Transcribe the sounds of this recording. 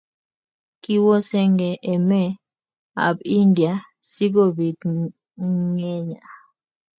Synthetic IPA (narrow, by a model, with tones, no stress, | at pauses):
ki˦wɔ˦sɛ˦ŋɡɛ˨ʔɛ˨mɛ˦˨ | a̰˨bi˦ndja˨ | si˦ɡo˦˨bi˨t | ŋɛ˦ɲa˨